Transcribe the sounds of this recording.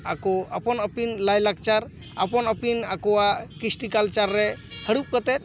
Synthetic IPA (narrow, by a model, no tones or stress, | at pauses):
akɔapɔnəpinlajlak̚t͡ʃaɾ | apɔnəpinakɔwakisʈikalt͡ʃaɾːɛhəɽup̚kət̪ɛt̪̚